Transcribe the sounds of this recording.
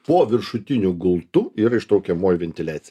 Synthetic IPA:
poːʋʲɪɾʃʊt̪ʲɪnʲʊɡʊlˠt̪ʊiːɾɐɪʃt̪ɾɐʊkʲɛmoːjʊʋʲɛnʲt̪ʲɪlʲæːt̪sʲɪj

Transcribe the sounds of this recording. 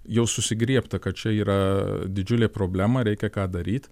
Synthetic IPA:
jɛʊsʊsʲɪɡɾʲiɛpt̪ɐkɐt̪̚t͡ʃʲɛiːɾɐd̪ʲɪd͡ʒʲʊlʲeːpɾoːbʲlʲæːmɐɾʲɛɪkʲɛkɑːd̪ɐɾʲiːt̪

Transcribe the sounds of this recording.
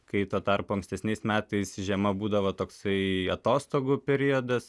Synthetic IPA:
kɐɪt̪oːt̪ɐrpʊɐŋksʲt̪ʲɛsʲnʲɛɪsmʲæːt̪ɐɪsʒʲɛmɐbuːd̪ɐʋot̪oːksɐɪɐt̪oːst̪oːɡupʲɛɾʲiod̪ɐs

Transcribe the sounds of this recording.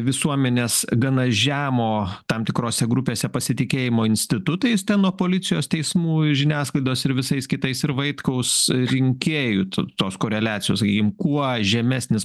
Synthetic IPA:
ʋʲɪsuɔmʲɛnʲeːsɡɐnɐʒʲæːmoːt̪ɐmt̪ʲɪkɾoːsʲɛɡɾʊpʲeːsʲɛpɐsʲɪt̪ʲɪkʲeːjɪmoːɪnʲsʲt̪ʲɪt̪ʊt̪ɐɪst̪ʲɛnnuɔpoːlʲɪsʲɪjoːst̪ʲɛɪsmuːʒʲɪnʲæːsklˠɐɪd̪oːsɪɾʋʲɪsɐɪskʲɪt̪ɐɪsɪɾʋɐɪt̪kɐʊsɾʲɪŋʲkʲeːjʊt̪t̪oːskoːɾʲɛlʲæːt̪t͡s̪sʲɪjoːsɐkʲiːkʲɪmkuɔʒʲɛmʲæsʲnʲɪs

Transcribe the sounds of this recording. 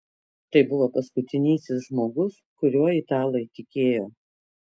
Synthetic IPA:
t̪ɐɪbʊʋoːpɐskʊt̪ʲɪnʲiːsʲɪsʒmoːɡʊs | kʊɾʲuɔɪt̪ɑːlˠɐɪt̪ʲɪkʲeːjoː

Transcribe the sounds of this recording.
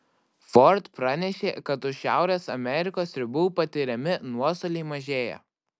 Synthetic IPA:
fɔɾt̪pɾɑnʲɛʃʲḛːkɐt̪ʊʃʲæ̰ˑʊɾʲeːsɐmʲɛɾʲɪkoːsɾʲɪbuːpɐt̪ʲɪɾʲɛmʲɪnuɔst̪oːlʲɛɪmɐʒʲeːjɛ̰

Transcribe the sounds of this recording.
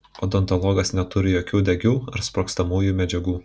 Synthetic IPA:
oːd̪ɔnt̪ɔlˠɔːɡɐsnʲɛt̪ʊɾʲɪjoːkʲuːd̪ʲɛɡʲuːɐɾspɾoːkst̪ɐmuːjuːmʲɛd͡ʒʲɛɡuː

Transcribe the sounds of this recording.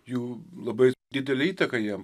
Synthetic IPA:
juːlˠɐbɐɪd̪ʲɪd̪ʲɛlʲɪiːt̪ɐkɐjiɛm

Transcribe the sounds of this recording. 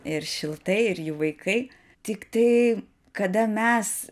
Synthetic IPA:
ɪɾʃʲɪlˠt̪ɐɪɪɾjuʋɐɪkʰɐɪ | t̪ʲɪkt̪ɐɪ | kɐd̪ɐmʲɛs

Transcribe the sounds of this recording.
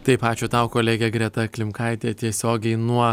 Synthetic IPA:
t̪ɐɪpɑːt͡ʃʲoːt̪ɐʊkoːlʲeːɡʲeːɡɾʲɛt̪ɐklʲɪmkɐɪt̪ʲeːt̪ʲiɛsʲoːɡʲɛɪnuɔ

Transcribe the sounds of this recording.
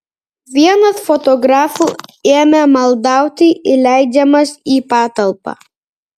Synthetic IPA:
ʋʲiɛnɐsfɔt̪ɔɡɾɑːfuːeːmʲɛmɐlˠd̪ɑˑʊt̪ʲɪʔɪlʲæˑɪd͡ʒʲɛmɐsiːpɑːt̪ɐlˠpɑ̰ː

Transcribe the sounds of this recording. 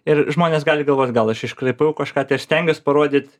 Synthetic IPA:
ɪrʒmoːnʲeːsɡɑːlʲɪɡɐlˠʋoːt̪ʲɡɐlˠɐʃɪʃkɾɐɪpɐʊkɐʃkɑːt̪ɐɪsʲt̪ʲɛŋʲɡʲɛspɐɾoɔd̪ʲɪt̪ʲ

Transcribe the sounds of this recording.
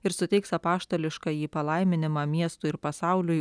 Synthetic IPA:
ɪɾsʊt̪ʲɛɪksɐpɑːʃt̪oːlʲɪʃkɑːjiːpɐlˠɐɪmʲɪnʲɪmɑːmʲiɛst̪ʊɪɾpɐsɑʊlʲʊj

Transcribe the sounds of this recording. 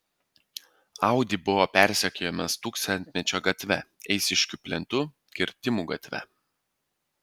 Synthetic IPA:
ɑˑʊd̪ʲiˑbʊʋɔpʲæˑɾʲsʲɛkʲoːjɛmɐst̪uːkst̪ɐnʲt̪ʲmʲɛt͡ʃʲoːɡɐt̪ʲʋʲɛɛɪsʲɪʃʲkʲupʲlʲɛnt̪ʊ | kʲɪɾʲt̪ʲɪmuːɡɐt̪ʲʋʲɛ̰

